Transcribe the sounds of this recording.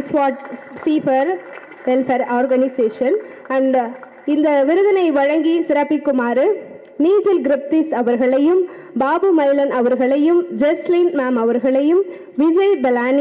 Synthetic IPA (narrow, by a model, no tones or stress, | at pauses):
ɪsʋaːʈsifɐɾ | ʋɛlfɐɾaːɾɡɐnɪseːʂɐn | ɐɳɖ | ɪnd̪ɐʋɪɾɯðɐnɐɪʋɐɻɐŋɡisɪɾɐpːikːʊmaːɾɯ | niːd͡ʒɪlɡɪɾɪp̚t̪isɐʋɐɾɣɐɭɐjɯm | baːbɯmɐɪlɐnɐʋɐɾɣɐɭɐjɯmd͡ʒɛslinmaːmɐʋɐɾɣɐɭɐjɯm | ʋɪd͡ʒɐɪb̪ɐlaːn